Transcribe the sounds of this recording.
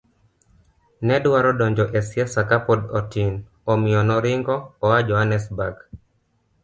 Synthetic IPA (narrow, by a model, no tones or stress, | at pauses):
nɛdwaɾɔdɔɲd͡ʒɔʔɛsjasakapɔdɔtin | omɪjɔnɔɾɪŋɡɔːad͡ʒɔɦanɛsbaɡ